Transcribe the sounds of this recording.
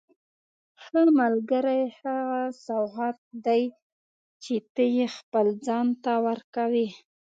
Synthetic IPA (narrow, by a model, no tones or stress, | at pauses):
haɽmalɡəɾajhaɣasawɦat̪̚d̪aj | t͡ʃet̪əjexpəld͡zɑnt̪awəɾkawi